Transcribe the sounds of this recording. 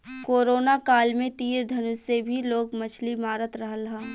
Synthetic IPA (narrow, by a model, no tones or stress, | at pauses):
koːɾoːnakaːlmẽt̪iːɾd̪ʱɐnʊsebʱiloːkmɐt͡ʃʰlimaːɾət̪ɾɐɦəlɦã